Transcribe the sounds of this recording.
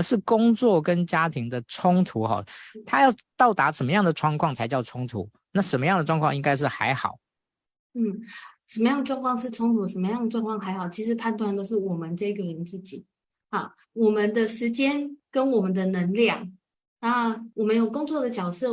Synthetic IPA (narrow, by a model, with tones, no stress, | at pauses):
ʂɻ̩˥˩kʊ˥ŋt͡swɔ˥˨˩kə˦˥nt͡ɕja˥t̪ʰi˧˥ŋd̪ə˨ʈ͡ʂʰʊ˥ŋt̪ʰu˨˥xɔ̰˥˩t̪ʰa˥˦jɑ˥˩ʊt̪ɑ˥˩ʊt̪a˧˥ʂə˨˩nmə˦jɑ˥˩ŋd̪ə˩ʈ͡ʂʰwɑ˥˧ŋkʰwɑ˥˩ŋt͡sʰa˧˥ɪt͡ɕjɑ˥˩ʊʈ͡ʂʰʊ˥ŋt̪ʰṵ˧˥˦ | na˥˩ʂə˧˥nmə˦jɑ˥˩ŋd̪ə˩ʈ͡ʂwɑ˥˧ŋkʰwɑ˥ŋ̃˧i˥ŋka˥ɪʂ̬ɻ̩˥˩xa̰˧˥ɪxɑ̰˨˩˦ʊ | n̩˥˩ʂə˧˥nmə˦jɑ˥˩ŋd̪ə˩ʈ͡ʂwŋkʰwɑ˥˧ŋʂ̬ɻ̩˥˩ʈ͡ʂʰʊ˥ŋt̪ʰu˧˥ʂə˧˥mə˧jɑ˥˩ŋd̪ə˩ʈ͡ʂwŋkʰɑ˥˩ŋxa˧˥ɪxɑ˨˩ʊt͡ɕʰi˧˥ʂɻ̩˧˥pʰa˥˧nt̪wa˥˩nd̪ə˧ʂɻ̩˥˩wɔ˨˩mə˨˦nʈ͡ʂɤ˥˩i˧˥ɡə˨lə˧˥nt͡sɹ̩˥˩t͡ɕḭ˨˩˦ | hɑ˥˩ | wɔ˨˩mə˨˦nd̪ə˨˧ʂɻ̩˧˥t͡ɕjɛ˥nkə˥nwɔ˨˩mə˦nd̪ə˨nə˧˥ŋljɑ˥˩ŋ | na˥˩wɔ˨˩mə˦njo˨˩ʊkʊ˥ŋt͡swɔ˥˩d̪ə˩t͡ɕjɑ˨˩ʊʂɤ˥˩